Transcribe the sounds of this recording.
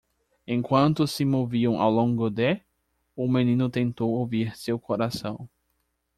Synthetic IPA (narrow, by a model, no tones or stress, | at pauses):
ẽkwɐ̃nt̪ʊsɪmoviɐ̃w̃ʔa̰wlõŋɡʊd̪e | ʊmẽnĩnʊt̪ẽnt̪owoviɾsewkoɾasɐ̃w̃